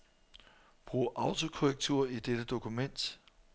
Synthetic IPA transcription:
b̥ʁṵːʔɑ̈ʊt͡sʰo̝kʰoʁɛɡ̥̚t͡sʰuɐid̥ed̥əd̥o̝kʰumen̰d̥

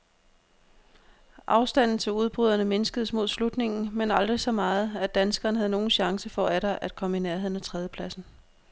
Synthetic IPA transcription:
ʔɑ̈ʊsd̥æn̰n̩ˠt͡sʰe̝luð̞ˠb̥ʁyðˠɐnəme̝nəsɡ̥əð̞̩ˠəsmo̝ðˠslud̥ne̝ŋn̩menɑ̈ld̥ʁisɒ̽mɑ̈ːð̩ˠæd̥ænsɡ̥ɐːnəɦæðˠno̝ːn̩ɕɑ̈ŋsəfɒ̽æɾ̥ɐʔæd̥̚kʰɒ̽məinæɐɦe̝ð̰ˠn̩æt͡sʰʁɛːð̞ˠjəpʰlæsn̩

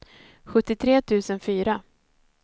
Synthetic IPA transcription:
ɧɵt̪ːɪt̪ʰɾeːt̪ʰʉ̟ːsənfyːɾa

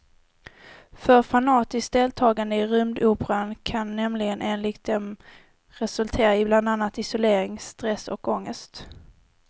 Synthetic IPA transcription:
fœɾfanɑːt̪ɪsk̚d̪eːlt̪ʰɑːɡand̪əɪɾʏmd̪uːpəɾankʰanːɛmlɪɡənʔeːnlɪkt̪̚d̪ɛm | ɾɛsɵlt̪ʰeːɾaɪbland̪anːat̪ɪsʊleːɾɪŋst̪ɾɛsɔ̰kɔŋːəst̪

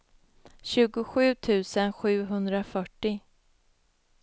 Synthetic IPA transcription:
ɕʉ̟ːɡʊɧʉ̟ːt̪ʰʉ̟ːsənɧʉ̟ːɦɵnd̪ɾafœʈːɪ

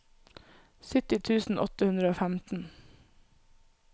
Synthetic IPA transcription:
sʏt̪ɪt̪ʰʉːsn̩ʔɔ̰t̪əhʉnd̪ɾəoːfæmt̪n̩

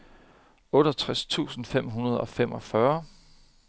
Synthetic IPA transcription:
ɔ̽ːɾ̥ɐɒt͡sʰʁast͡sʰṵːsn̩fem̰ɦunɐð̞̩ˠɒ̽fem̰ɒ̽fɶɐ

